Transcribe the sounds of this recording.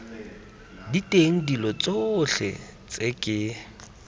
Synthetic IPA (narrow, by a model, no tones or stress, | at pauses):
ditʼeŋ̩dilɔt͡sʼoɬɛ̰ | t͡sʼɪkʼɪ